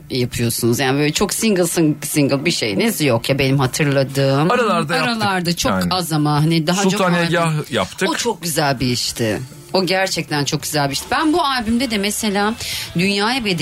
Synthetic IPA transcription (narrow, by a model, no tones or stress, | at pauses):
japʰɯjo̞sunuzjaːnɪbøːlʲɛt͡ʃʰo̞ksiŋɡɯlˠsɯŋsiŋɡɯlˠbiʃejinizjokjabe̞nimhat̪ʰɯɾlˠad̪ɯːmaɾalˠaɾdaaɾalˠaɾd̪at͡ʃʰokazamanɦanid̪aɦaoneɟahja̰pt̪ʰɯot͡ʃʰo̞k̚ɟyzælʲbiiʃt̪ʰɪ | oɟæɾt͡ʃʰɛc̚t̪ʰænt͡ʃʰo̞k̚ɟ̥yzælʲbiʃt̪ʰbænbualbymd̪ɛd̪ɛmese̞lʲaːd̪ynjaːjabed̪